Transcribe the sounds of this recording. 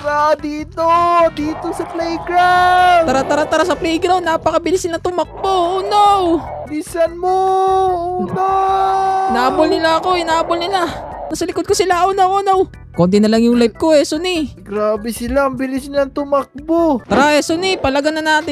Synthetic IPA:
ɾad̪iːt̪od̪iːt̪osɐplɛjɡɾaɐɾat̪ɐɾat̪ɐɾasɐplɛjɡɾawnaːpɐkɐbɪlɪsɪlaŋt̪ʊmɐk̚bouːnaw | bisɐnmouːna | naʔabʊlnɪlaɐko̞ɪnaabolnɪlanɐsɐlɪkod̪̚kosɪlaʔonawʔoːnaw | kont̪ɪnɐlaŋjʊŋlajp̚koɛsoniɡɾaːbɛsɪlambɪlɪsnɪlaŋt̪ʊmɐk̚bot̪ɾaʔɛsonipɐlɐɡanːɐnaːt̪ɪ

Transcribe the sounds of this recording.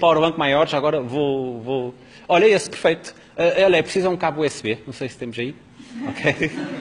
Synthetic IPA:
paɾuβɐ̃ŋkumajɔɾʒaɐɣɔɾɐvovo | ɔʎɐesu̥pɨɾfejt̪u̥ | ɛɔlˠɛpɾsizɐũkaβuɛsβenɐ̃w̃sejsɨ̥t̪emuʒɐi | ɔkʰej

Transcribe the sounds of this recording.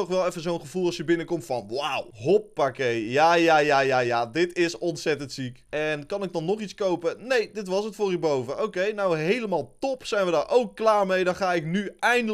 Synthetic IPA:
ɔχʋɛlˠɛfəzownχəvulˠɑlˠsjəbɪnəkɔmtfɑnwawɦɔpːakejjaːjajajajaːdɪtɪsɔntsɛtəntsikɛnkɑnɪɡ̚dɑnːɔχiskowpənejdɪtʋɑsətfʊːrybowvəowkejnawɦejləmaːlˠtɔpsɛjnʋədaːɹʔowkːlaːɹmejdɑnχaːɪknyɛjndə

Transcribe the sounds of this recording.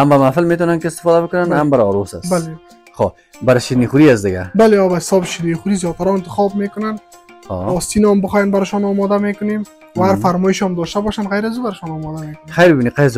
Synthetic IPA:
hambamafɪlmet̪̬ɔnankɪst̪ɪ̥fɔd̪abəkʊnanhambaɾɔɾosa̰sbale | xo | baɾɪʃinixuɾiasd̪ɪɡa̰baleɔbaɪ̥sɔbʃiɾniχuɾizjɔt̪aɾɔɪnt̪ɪxɔb̚mekʊnan | ɔ̰ɔst̪inɔmbəxɔjanbaɾɪʃɔnɔmɔd̪amekʊnem | waaɾfaɾmɔɪʃamd̪ɔʃt̪abɔʃanɣajɾazubaɾɪʃɔnɔmɔd̪amekʊnxajɾbɪbiniqajz

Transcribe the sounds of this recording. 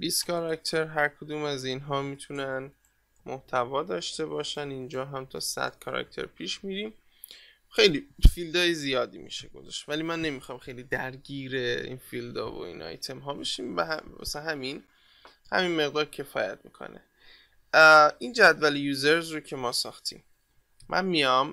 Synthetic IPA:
biːst̪kʰɒɾɒkt̪ʰe̞ɾɦæɾkʰod̪uːmæzinɦɒːmit̪ʰunæn | moht̪ʰævɒːd̪ɒːʃt̪e̞bɒːʃænind͡ʒɒːɦæmt̪ʰɒ̰ːsæ̰d̪̥kʰɒːɾɒ̰c̚t̪ʰe̞̰ɾpʰiːʃmiːɾiːm | xe̞jliːfild̪ɒːjezijɒːd̪iːmḭːʃeɡo̞̰zɒ̰ʃt̪væliːmænːe̞mixɒːmxejliːd̪æɾɟiːɾe̞ḭnfild̪ɒ̰ːvo̰ḭːnʔɒ̰jt̪ʰe̞mɦɒːbeʃiːmbæhæmæ̰sænɦæmin | hæ̰minme̞ɣd̪ɒːɾcʰe̞fɒːjæt̪mḭːkʰo̰nḛ | ind͡ʒæd̪væljuːzeɾzrocʰe̞mɒːsɒːxt̪ʰḭːm | mʔæ̰nmijɒm

